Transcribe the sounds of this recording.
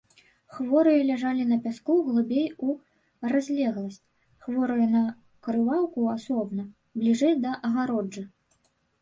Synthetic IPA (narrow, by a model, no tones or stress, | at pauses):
xvɔɾɨjɐlʲaʐalʲinɐpʲaskuɣlˠubʲeju | razʲlʲɛɣlˠɐsʲt͡sʲ | xvɔɾɨjɐnɐ | kɾɨvawkuasɔbnɐ | blʲiʐɛjd̪ɐʔɐɣaɾɔdɨ